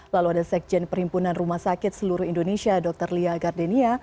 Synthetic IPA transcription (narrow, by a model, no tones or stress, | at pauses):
laluadasɛk̚d͡ʒɛnpərhimpunanrumahsakɪt̪̚səluɾʊhindonesiadɔk̚t̪ərliaɡardɛnia